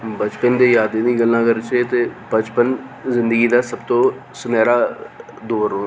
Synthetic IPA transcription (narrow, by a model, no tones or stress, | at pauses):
bət͡ʃpənd̪eːjaːd̪eːnĩːɡəlnãːkəɾt͡ʃeːt̪eːbət͡ʃpənzɪ̃nd̪əɡiːd̪aːsəbt̪õː | sʊnɛːɾaː | d̪oːʋəɾõː